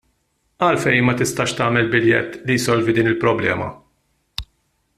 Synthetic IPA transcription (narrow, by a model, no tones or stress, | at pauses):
ɐlfɛjmɐt̪ɪst̪ɐːʃt̪ɐːmɛlbɪljɛ̰t̪ːlijsɔlvid̪iːnɪlpɾɔblɛ̰ːmɐ̰